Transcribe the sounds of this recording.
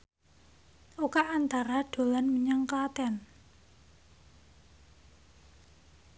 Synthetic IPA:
ʔokaʔːnt̪aɾaɖ̪̥o̤lanməɲaŋkaat̪ɛn

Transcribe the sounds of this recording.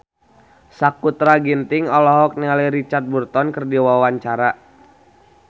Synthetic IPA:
sakut̪ɾaɡint̪iŋɔlɔɦɔk̚nialɛɾit͡ʃart̪̚burt̪ɔnkərdiwawaɲt͡ʃaɾa

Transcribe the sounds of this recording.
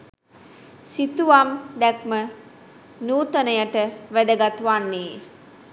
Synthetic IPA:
sit̪uʋamd̪ɛk̚mə | nuːt̪ənəjəʈəʋæd̪əɡat̪uʋanːeː

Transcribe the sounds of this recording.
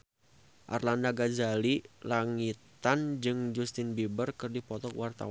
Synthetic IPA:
ʔa̰rlandaɡazalilaŋit̪and͡ʒɨŋd͡ʒust̪ɪnbibərkɨrdipɔt̪ɔkwart̪a̰wa

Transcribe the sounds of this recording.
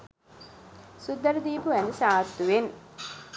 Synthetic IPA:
sud̪ːɐɾəd̪iːpuʋænəsaːt̪ːuʋen

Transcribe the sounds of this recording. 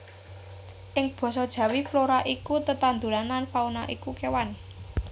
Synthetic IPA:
ʔɪŋb̥ɔ̤sɔd̥ʒ̥ä̤wifloɾaʔikut̪ət̪and̪uɾanlanfaunaʔikukewan

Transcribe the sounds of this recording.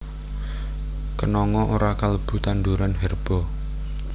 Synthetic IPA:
kənɔŋɔʔoɾakaləb̥ṳt̪and̪uɾanɦɛrb̥ɔ̤

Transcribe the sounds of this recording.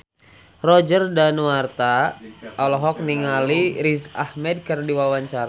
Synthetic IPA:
rɔd͡ʒərdanuwart̪aʔɔlɔɦɔk̚niŋaliɾisa̰hmɛd̚kərdiwawaɲt͡ʃaɾa

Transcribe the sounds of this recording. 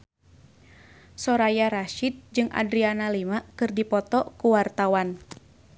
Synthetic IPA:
sɔɾajaɾaʃit̪̚d͡ʒɨŋʔa̰dɾianalimaʔkɨrdipɔt̪ɔkuwart̪awan

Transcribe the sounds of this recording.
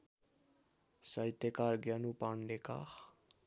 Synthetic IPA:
sʌjt̪ekarɡjʌnupanleka̰x

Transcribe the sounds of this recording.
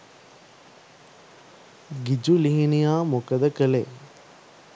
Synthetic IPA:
ɡid͡ʒuliɦinijaːmokɐd̪ɐkəle

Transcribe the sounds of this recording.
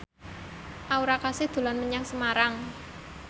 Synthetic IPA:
ʔauɾakasɪhd̪̥ṳlanməɲaŋsəmaɾaŋ

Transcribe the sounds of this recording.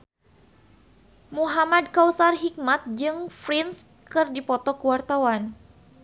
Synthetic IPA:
muɦamad̚kawsarɦik̚mat̪̚d͡ʒɨŋfɾins | kɨrdipɔt̪ɔkəwart̪awan

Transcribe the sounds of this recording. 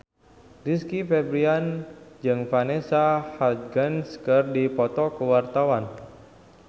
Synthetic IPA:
riskifɛbɾiand͡ʒɨŋfanesahad̪̚ɡanskərdipɔt̪ɔkəwart̪awan

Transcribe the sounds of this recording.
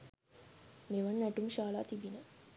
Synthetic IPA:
meʋanːæʈumʃaːla̰ːt̪ibinə

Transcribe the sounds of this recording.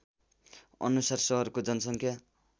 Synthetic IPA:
ʌ̰nusarsʌɦʌrkod͡zʌnʌsʌŋkʰja

